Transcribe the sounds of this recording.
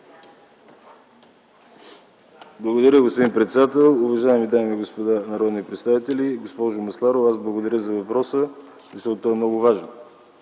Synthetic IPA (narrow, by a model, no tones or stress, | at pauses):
blˠəɡod̪ɐɾʲəɡospod̪inpɾɛt̪sɛd̪at̪ɛlˠʊvɐʒaɛmid̪amiɡospod̪anɐɾɔd̪nipɾɛt̪st̪avit̪ɛlʲiɡospɔʒʊmɐslˠaɾoazblˠəɡod̪ɐɾʲəzɐvɐpɾɔsə | zəʃt̪ɔt̪ot̪ɔɛmnɔɡʊvaʒno